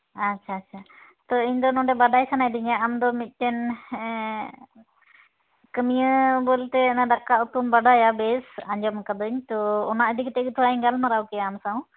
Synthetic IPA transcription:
atːʃʰaːtːʃʰa | t̪ɔiɲd̪ɔnɔ̃ɖɛbaɖajsanajd̪iɲaamd̪ɔmit̪̚ˀʈɛn | kəmijəbɔlt̪ɛnaɖakːaut̪umbaɖajabɛsaɲd͡ʒɔmkad̪ɯɲt̪ɔːnaʔəd̪ikt̪ɛɡt̪ʰuaɡalmaɾawkɛjaːmsaw̃

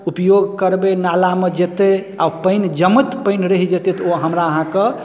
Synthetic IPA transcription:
upjoɡkəɾbenalamed͡ʒet̪e | a̰upəɪnd͡ʒəmət̪pəɪnɾəɦid͡ʒet̪et̪oɦəmɾaəɦãke

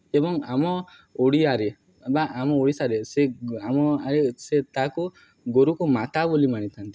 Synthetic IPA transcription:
ebɔŋamɔ | oɽiaɾe | baʔːmɔoɽisaɾeseamɔaɾeset̪aku | ɡoɾukumat̪abulimaɽ̃it̪ʰant̪i

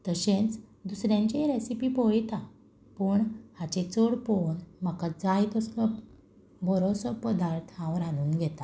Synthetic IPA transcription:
t̪əɕẽt͡sd̪usɾjãɲt͡ɕeɾesipipojt̪a | pəɳhat͡ɕet͡soɽponmakad͡zajt̪əslɔ | bʱəɾosɔpəd̪aɾt̪ʰɦãʋɾãnuːnɡʱɛt̪a

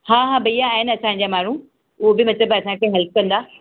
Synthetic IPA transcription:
hãːɦãːbɐijaːɦɪnɪɐsãɲd͡ʑaːmaːɽ̤ũ | ʊɦobɪmɐt̪ləbɐsãkʰeːɦɛlp̚ʰkɐ̃nd̪aː

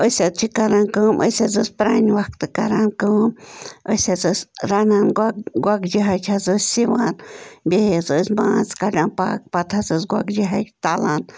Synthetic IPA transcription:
əsat͡ʃʰikaɾankɨmʔə̰sazəspɾanwak̚t̪ɨkaɾankəmʔəsazəsɾananɡʷakd͡ʒiɦajt͡ʃʰazəsʲsiwanbezəsmãt͡skaɖanpa̰k̚pat̪ʰazəsɡʷakd͡ʒiɦajt̪alan

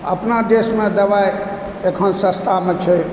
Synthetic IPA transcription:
ə̰pnad̪esmẽd̪əʋaj | ekʰənsə̃st̪ʰamẽt͡ʃʰɛ

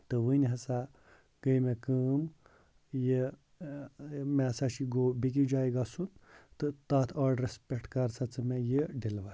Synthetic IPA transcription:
t̪ɨʋɨnɦɐsa | ɡəjmekəːm | je | mẽsaʃiɡobik̬id͡ʒaːjɡasunt̪ɨt̪aːt̪ʰaːɖɾespʲekʈkaɾt͡sat͡sɨmẽjeɖilʋa

